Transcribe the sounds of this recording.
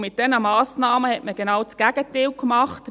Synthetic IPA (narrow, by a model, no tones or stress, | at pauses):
mɪt̚d̥ɛnəmɑːsnɑːməhɛtməɡ̥enɑwt͡sɡ̥æɡ̥ətɪwkmɑχt